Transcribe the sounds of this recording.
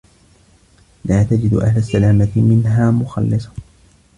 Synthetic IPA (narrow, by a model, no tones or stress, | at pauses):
laːt̪ad͡ʒɪd̪ʔa̰hlasːalaːmamɪnɦaːmʊxɑ̰lːɪsˤɑ̥